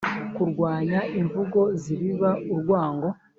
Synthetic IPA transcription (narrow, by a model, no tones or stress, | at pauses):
kuɾɡwaːɲaiɱvuɡo̞ziɾiβauɾɡwaːŋɡo̞